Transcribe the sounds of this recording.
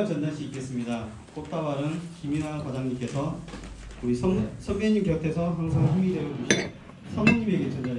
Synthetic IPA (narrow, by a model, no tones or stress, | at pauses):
t͡ɕʌndaɭɕ͈ʰiik͈e̞s͈ɯmɲida | k͈ok̚t͈awaɾɯnkimiɾakwadaŋɲimk͈e̞sʰʌ | uɾisʰʌsʰʌɡeɲimkjʌtʰe̞sʰʌɦaŋsʰaŋɦumideɾoui | sʰʌŋmuɲime̞ɡet͡ɕʌndaɾ